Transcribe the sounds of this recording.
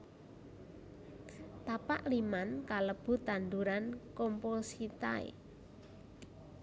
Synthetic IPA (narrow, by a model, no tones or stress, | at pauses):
t̪apaʔlimankaləb̥ṳt̪and̪uɾankomposit̪a̰ḛ